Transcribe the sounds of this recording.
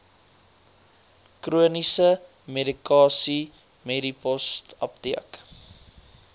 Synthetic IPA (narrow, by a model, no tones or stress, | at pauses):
kruənisə | medikɑːsi | medipɔstɐ̰p̚tiək